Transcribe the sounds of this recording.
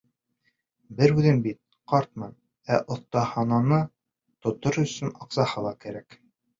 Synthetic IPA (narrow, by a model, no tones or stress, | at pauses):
bɘɾʉðɘnbit̪̚ | qɑɾt̪̚mɤn | æʔŏθt̪ɑhɑnɑnɤ | t̪ŏt̪oɾɵ̆sɵnɑqsɑhɤlˠɑkæɾæk